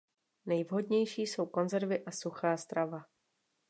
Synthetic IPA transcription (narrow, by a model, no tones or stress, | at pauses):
nɛjvɦo̞dɲɛjʃiːso̞wko̞nzɛɾvɪʔasuxaːst̪ɾava